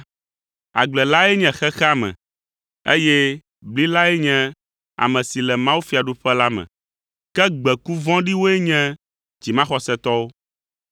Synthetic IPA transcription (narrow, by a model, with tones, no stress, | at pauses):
a̰˨ɡ͡blɛ˨la˦ɛ˦ɲɛ̃˨xɛ˦xɛ˦a˦mɛ̰̃˨ | ḛ˦jɛ˦ | bli˦la˦ɛ˦ɲɛ̃˦ | a̰˨mɛ̃˨si˨lɛ˨mã˦wu˦fi˨a˨ɖo˦ɸɛ˦la˦mɛ̰̃˨ | kɛ˦ɡ͡bɛ˨ku˦vɔ̃˦ɖi˦wo˦ɛ˦ɲɛ̃˦ | d͡ʑi˨mã˦xɔ˦sɛ˦t̪ɔ˦wo˦